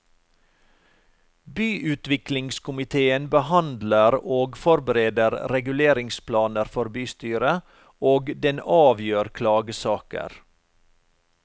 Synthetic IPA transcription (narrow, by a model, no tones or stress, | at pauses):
byːʔʉːt̪ʋɪklɪŋskʊmɪt̪ʰeːənbəhɑnd̪ləɾoːɡfɔɾbəɾeːd̪əɾɾɛɡʉleːɾɪŋspʰlɑːnəɾfɔɾbyːst̪yːɾə | oːɡd̪ɛnɑːʋjøːɾkʰlɑːɡəsɑːkə̰ɾ